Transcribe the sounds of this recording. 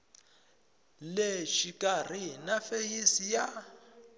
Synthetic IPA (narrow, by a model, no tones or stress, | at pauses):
leʃikʼarinafejisija